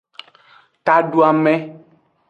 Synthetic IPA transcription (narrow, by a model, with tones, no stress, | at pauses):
t̪a˨ɖu˦a˨mɛ̃˦